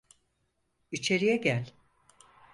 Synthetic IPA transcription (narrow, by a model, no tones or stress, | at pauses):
it͡ʃʰe̞ɾijɛɟælʲ